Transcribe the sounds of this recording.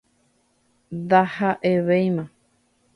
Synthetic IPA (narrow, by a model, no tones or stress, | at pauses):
d̪ahaʔeβejmã